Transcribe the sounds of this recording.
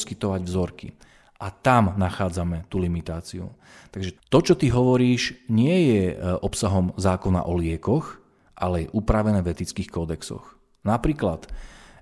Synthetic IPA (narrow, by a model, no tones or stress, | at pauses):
skit̪ɔʋaɟvzɔɾkḭ | ʔat̪amnaxaːd͡zamɛt̪ulimit̪aːt͡siṵ | t̪aɡʒɛt̪ɔt͡ʃɔt̪iɦɔʋɔɾiːʒɲɪɛjɛʔɔpsaɦɔmzaːkɔna̰ʔɔlɪɛkɔx | ʔalɛjɛʔupɾaʋɛnɛːvɛt̪it͡skiːxkɔd̪ɛksɔ̰x | napɾiːklat̪